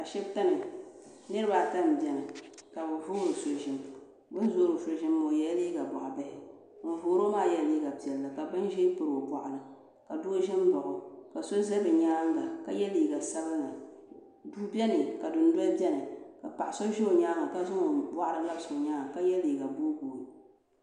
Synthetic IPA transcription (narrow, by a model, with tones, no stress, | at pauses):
ka˨ʃɛ˦bta˦nɨ˨ | nɨ˦ɾɨ˦ba˨ta˦m˨bɛ˨nɨ˨ka˨bɨ˨vʊ˦ŋo˨so˨ʒɪ˦m | bʊ˦n˦zo˦ɾɨ˨so˨ʒɪ˦mːo˨jɛ˦liː˦ɡa˨ba˨ʔa˨bɛ˦hɪ˦ | m̩˨voː˨ɾo˦maː˦˨jɛ˦˨leː˦ɡa˨pi˨ɛ˨lːa˨ka˨bɨ˦n˦ʒe˦pɨ˨ɾo˨bʷa˨ʔa˨lɨ˨ | ka˨dʊ˦ʒɪ˦m˦bɔ˨ʔʊ˨ka˨so˦zɛ˦bɨ˨ɲaː˦ŋ˦ɡa˨ka˦jɛ˦liː˨ɡa˨sa˦βɨ˦ŋa˨ | duː˦bɛ˦nɨ˨ka˨dʊ˨n˦dwa˦bɛ˦nɨ˨ka˨pa˨ʔa˨so˦ʒɪ˦o˨ɲaː˦ŋa˨ka˦zʊ˦ŋo˨bwa˦ʔa˦lɨ˨na˦bsʊ˨o˨ɲaː˦ŋa˨ka˦jɛ˦liː˨ɡa˨bo˦ɡoː˨